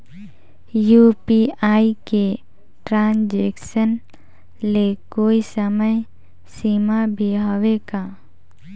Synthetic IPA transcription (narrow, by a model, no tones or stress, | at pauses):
jupiaːike | ʈɾãːnd͡ʒeːkʃən | lekoːisəməj | siːmabʱiɦəʋeka